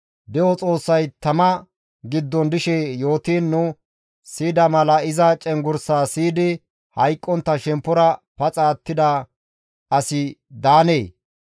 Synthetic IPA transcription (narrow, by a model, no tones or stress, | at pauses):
d̪ɛwɔt͡sʼo̞ːsːɐjt̪ɐmɐ | ɡɪd̪ːɔnd̪ɪʃɛjo̞ːt̪iːnːʊ | siːd̪ɐmɐlɐɪzɐt͡ʃʼɛŋɡʊɾsaːsiːd̪ɪ | hɐjkʼːɔnt̪ːɐʃɛmpːʊɾɐpɐt͡sʼaːt̪ːɪd̪ɐ | ɐsɪd̪aːneː